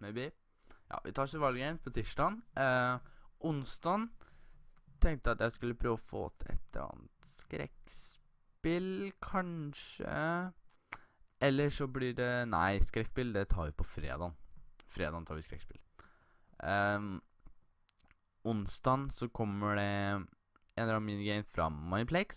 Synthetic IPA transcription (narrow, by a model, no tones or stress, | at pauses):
mɛbɪ | jɑ̰ːʋʔɪt̪ʰɑːʂɪʋɑlɡɛɪnpʰɔt̪ʰiːʂʈɑn | ʔʊnst̪ɑn | t̪ʰɛŋk̚t̪əɑt̪jæɪskʉlːəpʰɾøːʋɔfo̰ːt̪ʰəɛ̰t̪əɾɑ̰ːnət̪skɾɛ̰ks | pɪlkʰɑnʂə̰ | ʔɛlːəʂɔblɪɖɛnæɪskɾɛkːspɪld̪ɛt̪ʰɑːɾʋɪpʰɔfɾḛːd̪ɑnfɾeːd̪ɑnt̪ʰɑːʋɪskɾɛ̰kspɪ̰l | ʊnst̪ɑːnsɔkʰɔmːəɖɛ | ɛːnɾɑmiːnɡɛɪmfɾɑ̰mːɑɪnpʰlɛks